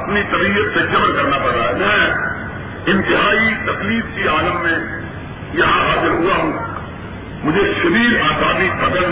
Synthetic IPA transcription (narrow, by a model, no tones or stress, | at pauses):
ɐpnit̪ɐbiːət̪sed͡ʒɐmnkɐɾnapɐɾt̪aːmɛ̃ː | ɪ̃nt̪ɪɦaːit̪ɐkliːbkiaːləmːẽ | jɐɦãɦaːzɪɾɦʊaɦũ | mʊd͡ʒʱeʃɐɾiːɾaːsaːd̪ik̚pɐɡ̪ə̃n